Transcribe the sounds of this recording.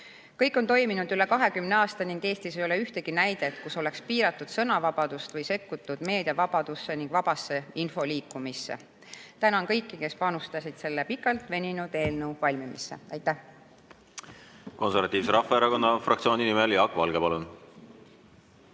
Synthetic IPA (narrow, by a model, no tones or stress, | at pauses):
kɤjkːˑo̞nt̪o̞jminud̪̥yle̞kɑɦe̞kymneɑːst̪ɑniŋɡ̥e̞ːst̪isejole̞yht̪e̞ɡ̥inæjd̪et̪ːkuso̞le̞kspiːɾɑt̪ːˑud̪̥sɤ̞nɑvɑb̥ɑd̪̥ust̪vɤjse̞kːut̪ːˑud̪̥me̞ːd̪̥ʲjɑvɑb̥ɑd̪̥usːe̞niŋɡ̥vɑb̥ɑsːe̞info̞liːkːumisːe̞̰ | t̪ænɑnkɤjkːike̞spɑnust̪ɑsid̪̥se̞lːe̞pikːˑɑlt̪ˑve̞nʲinud̪e̞ːlnewvɑlʲmimisːe̞̰ɑjt̪ːˑæh | ko̞nseɾvɑt̪iːvseɾɑfːˑeeɾɑko̞nːɑfrɑ̰k̚t̪sio̞ːninimeljɑkːvɑlɡ̥epɑlun